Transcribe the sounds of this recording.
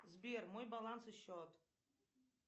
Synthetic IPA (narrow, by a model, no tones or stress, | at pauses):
zbirmojbalˠansɨʃotʼ